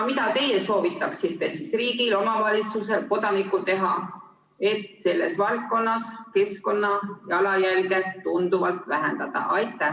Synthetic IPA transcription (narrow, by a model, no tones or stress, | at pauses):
mit̪ɑt̪e̞jeso̞ːvit̪ːˑɑksiht̪ːesisriːɡilo̞mɑvɑlʲit̪suse̞lko̞d̪̥ɑnikːˑut̪e̞ɦɑ | e̞t̪ˑse̞lːe̞̰svɑlk̪̚ko̞nːɑske̞sko̞nːɑjɑlɑjælɡe̞t̪und̪uvɑlt̪væɦend̪̥ɑd̪̥ɑ̰ʔɑjt̪ːˑæh